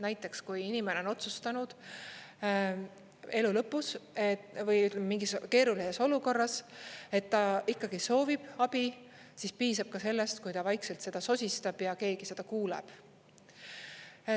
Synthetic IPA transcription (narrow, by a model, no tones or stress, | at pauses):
næjt̪ːˑe̞kskujinime̞neo̞no̞t̪sust̪ɑnud̪̥ | e̞lulɤpːˑusevɤjyt̪ːˑlememiŋɡ̥iske̞ːɾulise̞so̞luko̞rːɑse̞t̪ːɑikːɑɡiso̞ːvib̥ɑb̥i | sispiːsɑb̥̚kɑse̞lːest̪kujt̪ɑvɑjkse̞lt̪se̞d̪̥ɑso̞sʲist̪ɑb̥jɑke̞ːɡ̥ise̞d̪̥ɑkuːlḛb̥